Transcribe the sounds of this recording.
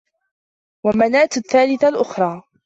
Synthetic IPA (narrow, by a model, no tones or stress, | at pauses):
wamanaːt̪θːaːlɪθalʔʊxɾˤɑː